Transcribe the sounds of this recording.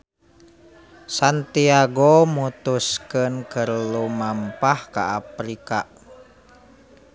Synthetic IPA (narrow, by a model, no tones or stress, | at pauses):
sant̪iaɡomut̪uskənkəɾlumampahka̰ʔapɾika